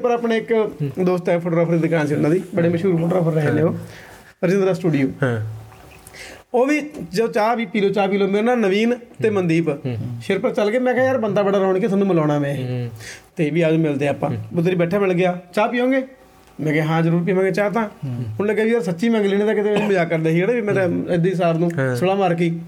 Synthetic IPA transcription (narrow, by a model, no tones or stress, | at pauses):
pəɾaːpneːɪkd̪oːst̪ɛːpʰoːʈoɾaːpʰəɾd̪iːd̪ɪkaːnsinaːd̪iːbəɽeːməʃuːɾpʰoːʈɾaːpʰəɾːɛɦeːnẽːoː | ɾəd͡ʒɪnd̪ɾaːsʈuːɖijoː | oːʋiːd͡ʒəoːt͡ʃaːʋiːpiːloːt͡ʃaːp̬iːloːmeɾnaːnəʋiːnt̪eːmənd̪iːpʃɪɾpəɾt͡ʃəlɡeːmɛ̃ːkɛːjaːɾbənd̪aːbəɽaːɾɔːɳkeːsʰaːnːũːməlaːɽaːmɛ̃ː | t̪eːʋiːəd͡ʒmɪld̪ẽːaːpã̰ːbʊt̪ɾiːbɛːʈʰːaːmɪlɡɪjaːt͡ʃaːpiːɦõːŋɡeː | mɛ̃ːkɛːɦãːd͡ʒəɾuːɾp̬iːʋãːŋɡeːt͡ʃaːt̪ãːʊnːləɡaːʋiːəɾsətːʃiːmə̃ŋɡliːneːt̪ãːkɪt̪eːmeːnũːməd͡ʒaːkəɾd̪eːɦiːɡəɽeːbiːmɛ̃ːt̪ãɪd̪eːs̬aːɾnũːsəlaːmaːɾk̬iː